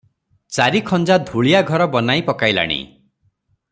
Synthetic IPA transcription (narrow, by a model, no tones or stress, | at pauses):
t͡ʃaɾikʰɔnd͡ʒad̪ʱuɭijaɡʱɔɾɔbɔnajpɔkajla̰ɽ̃ḭ